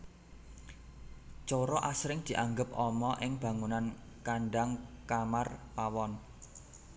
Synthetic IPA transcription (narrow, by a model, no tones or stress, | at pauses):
t͡ʃɔɾɔʔasɾɪŋd̪̥i̤ʔaŋɡəp̚ʔɔmɔʔɪŋb̥a̤ŋunan | kaɳɖaŋkamarpawɔn